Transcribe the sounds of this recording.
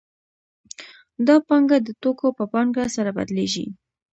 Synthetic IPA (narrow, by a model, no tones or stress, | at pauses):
d̪ɑpɑŋɡad̪ət̪okopəpɑŋɡasaɾaba̰d̪leʒḭ